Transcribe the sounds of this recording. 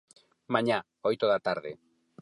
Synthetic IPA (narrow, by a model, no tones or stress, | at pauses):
maɲa | ojt̪oðat̪aɾðḛ